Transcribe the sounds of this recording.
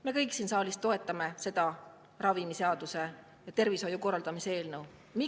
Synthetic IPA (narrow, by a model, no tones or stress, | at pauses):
me̞kɤjksiːnsɑːlist̪ːˑo̞e̞t̪ːˑɑme̞se̞d̪̥ɑ | rɑvimiseɑd̪̥use̞ | jɑt̪e̞rviso̞juko̞rːɑld̪̥ɑmisee̞ːlnɤw | mi